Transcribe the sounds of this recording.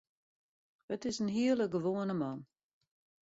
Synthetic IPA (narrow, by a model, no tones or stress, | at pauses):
ətɪsənɦiələɡəʋoənəmɔn